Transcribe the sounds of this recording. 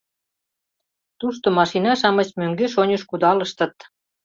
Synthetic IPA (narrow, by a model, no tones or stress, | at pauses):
t̪uʃt̪omɑʃinɑʃɑmə̆t͡ɕmøŋɡeʃonʲəʃkud̪ɑlə̆ʃt̪ə̆t̪̚